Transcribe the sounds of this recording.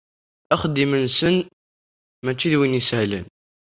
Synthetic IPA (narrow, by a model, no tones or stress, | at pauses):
æχd̪imənsən | mæt͡ʃːiðwinisʕlə̰n